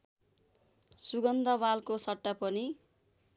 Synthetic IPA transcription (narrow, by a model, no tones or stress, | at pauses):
suɡʌnd̪abalkosʌʈːapʌni